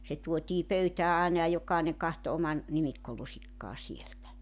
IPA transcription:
se tuotiː pøytæː ɑˑenɑ jɑ jokˑɑˑeneŋ kɑhto omɑn nimikːolusikːɑː sieltæ

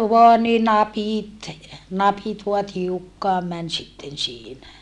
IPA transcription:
ʋoɑ ni nɑpiˑt nɑpit ʋuɑ tiukːɑːm mæn sitːen siːnæ

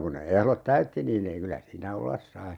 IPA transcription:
kun ne ehlot tæytːi niːn ei kylæ siːnæ olːɑs sɑi

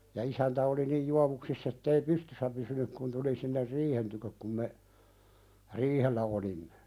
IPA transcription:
jɑ isæntæ oli nij juɑʋuksisː etːei pystysːæ pysynyk kun tuli sinːer riːhen tykøk kum me riːhelːæ olimːe̥

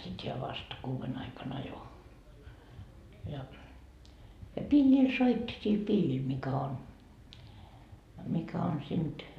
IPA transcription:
sit heæ ʋɑst kuːʋen ɑikɑn ɑjo jɑ jɑ pilʲːil soitːi sil pilʲːil mikæ on mikæ on sind̥

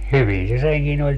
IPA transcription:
hyʋin se seŋkin olʲ

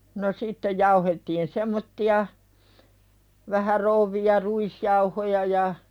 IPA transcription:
no sitːej̆ jɑuhetːiːn semːotːiɑ ʋæhæ rouʋːij̆ɑ ruisjɑuhojɑ jɑ

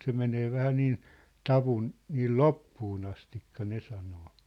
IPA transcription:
se meneː ʋæhæ niːn tɑʋun niːl lopːuːn ɑstikːɑ ne sɑnoː

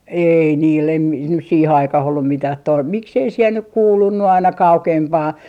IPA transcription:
ei niːl em mi nys siːhe ɑikɑh olːum mitæh to miksei siel nyk kuːlunːu ɑinɑ kɑukempɑː

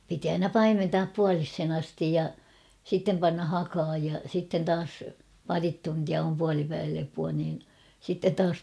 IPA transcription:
piti ɑinɑ pɑimentɑːp puɑlishen ɑstij jɑ sitːem pɑnːɑ hɑkɑːj jɑ sitːen tɑːs pɑrit tuntiɑ om puɑlipæiʋælepuɑ niːn sitːet tɑːs

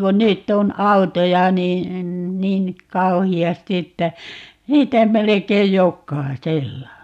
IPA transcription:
kun nytː on ɑutojɑ ni niːn kɑuhiɑsti etːæ niːtæ melekeij jokːɑiselːɑ

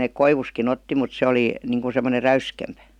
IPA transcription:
nek koiʋuskin otːi mut se oli niŋkun̞ semːoner̆ ræyskempæ̥

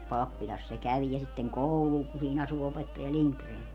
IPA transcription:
pɑpːilʲɑs se kæʋ jɑ sitːeŋ koulul ku siːn ɑsu opetːɑjɑ liŋkreːn

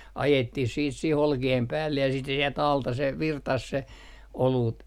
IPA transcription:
ɑjetːih siːt sih olkiem pæːlːej jɑ siːt se sielt ɑltɑ se ʋirtɑs se oluːt

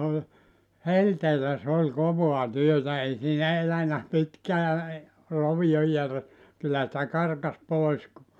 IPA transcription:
olʲ helteːlæ s ol koʋoɑ tyøtæ ei siːnæ elænæ pitkæː roʋijo jær kylːæ sĭtæ kɑrkɑs poˑis ku

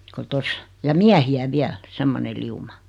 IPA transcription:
ko tos jɑ miæhiæ ʋiæl semːone liumɑ

